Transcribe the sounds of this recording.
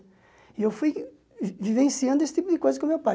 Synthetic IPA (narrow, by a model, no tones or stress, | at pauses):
ɪewfuj | vivẽsiɐ̃nd̪ʊesɪ̥t̪ipʊd̪ɪkojzɐskõmewpa